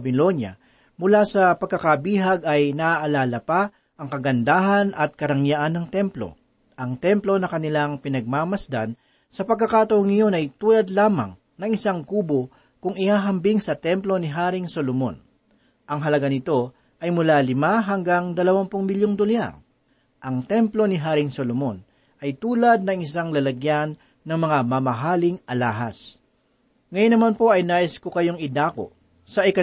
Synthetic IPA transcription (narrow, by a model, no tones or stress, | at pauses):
bɪlo̞njɐ̰ | mʊlasɐpɐɡkːɐkabiːɦɐɡɐjnɐʔaʔɐlaːlɐpa | ʔɐŋkɐɡɐnd̪aːɦɐnʔɐt̪̚kɐɾɐŋjaʔanːɐŋt̪ɛmplo̞̰ | ʔɐŋt̪ɛmplo̞nɐkɐnɪlaŋpɪnɐɡ̚maːmɐsd̪a̰n | sɐpɐɡkːɐkaːt̪ɐwoŋɪjo̞nɐjt̪uːlɐd̪laːmɐ̰ŋ | nɐŋɪsaŋkuːbo | kʊŋɪhaːɦɐmbɪŋsɐt̪ɛmplo̞nɪɦaːɾɪŋsolomo̰n | ʔɐŋɦɐlɐɡanɪt̪o̞ | ʔɐjmʊlaːlɪmaɦɐŋɡaŋd̪ɐlɐwanpʊŋmɪljoŋd̪olja̰ɾ | ʔɐŋt̪ɛmplo̞nɪɦaːɾɪŋsolomon | ʔɐjt̪uːlɐd̪̚nɐŋɪsaŋlɐlɐɡjanː | ɐŋmɐŋamɐmɐɦaːlɪŋʔɐlaːɦɐs | ŋɐjonːɐmanpo̞ʔɐjnaːʔɪskokɐjo̞ŋɪd̪aːko̰ | sɐʔɪkɐ